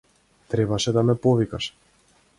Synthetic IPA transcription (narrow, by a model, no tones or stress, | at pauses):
t̪ɾɛbaʃɛd̪amɛpɔvikaʃ